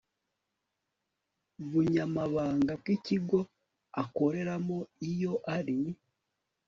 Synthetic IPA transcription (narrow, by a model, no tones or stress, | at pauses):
βuɲamaβaːŋɡab̚ɡiciɡo | ako̞ɾe̞ɾamoijo̞ʔaɾi